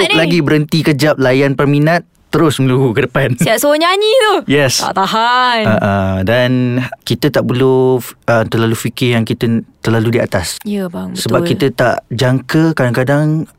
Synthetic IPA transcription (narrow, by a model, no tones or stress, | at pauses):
laɡibəɾənt̪ikəd͡ʒap̚lajanpərminãt̪ːəɾʊsmə̃ŋluɡukədəpansiaʔsoɲaɲit̪ujɛst̪a̰ʔt̪aɦanaʔədankit̪ət̪aʔpəluət̪ərlalufikɪjaŋkit̪ət̪ərlaludia̰t̪asjəbsəbapkit̪ət̪a̰ʔd͡ʒaŋkəkadaŋkadaŋ